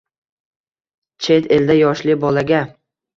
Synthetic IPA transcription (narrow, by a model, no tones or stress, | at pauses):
t͡ʃʰe̞t̪e̞ld̪ajɒʃlɪbɒlaɡʲa